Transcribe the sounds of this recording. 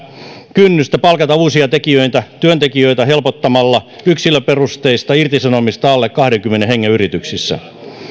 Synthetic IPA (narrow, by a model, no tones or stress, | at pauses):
kynːyst̪æpɑlkɑt̪ɑuːsiɑt̪ekiøit̪æt̪yønt̪ekiøit̪æhelpot̪ːɑmɑlːɑyksilːˑøperust̪eist̪ɑirt̪isɑnomist̪ɑɑlːekkɑhɾeŋkymːeneheŋːeyrit̪yksisːæ̰